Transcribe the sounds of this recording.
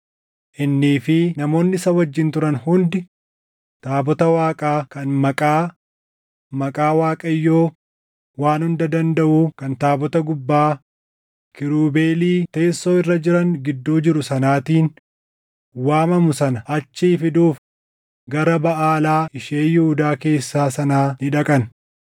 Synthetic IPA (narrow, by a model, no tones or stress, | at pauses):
ʔɪnːiːfɪnɐmo̞ːnːɪsɐwɐd͡ʒːɪnt̪ʊɾɐnhʊnd̪ɪ | t̪aːbɔt̪ɐwaːkʼaːkɐnmɐkʼaː | mɐkʼaːwaːkʼɐɪjːoː | waːnhʊnd̪ɐd̪ɐnd̪ɐʔuːkɐnt̪aːbɔt̪ɐɡʊbːaː | kɪɾuːbe̞ːliːt̪eːsːo̞ːɪrːɐd͡ʒɪɾɐnɡɪd̪ːoːd͡ʒɪɾʊsɐnaːt̪iːn | waːmɐmʊsɐnɐɐt͡ʃːifɪd̪uːf | ɡɐɾɐbɐʔaːlaːɪʃeːjɪhʊd̪aːke̞ːsːaːsɐnaːnɪᶑɐkʼɐn